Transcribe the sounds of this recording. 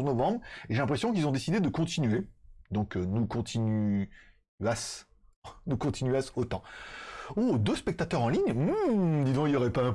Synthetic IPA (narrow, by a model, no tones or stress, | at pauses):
znɔvɑ̃bʁeʒelɛ̃pχesjɔ̃k̬ilzɔ̃d̪esid̪ed̪əkɔ̃t̪inɥed̪ɔ̃knukɔ̃t̪ʰiny | as | nukɔ̃t̪ʰinɥasot̪ɑ̃ | od̪øspɛk̚t̪at̪œʁɑ̃liɲ | d̪izɔ̃iljɔʁɛpaɛ̃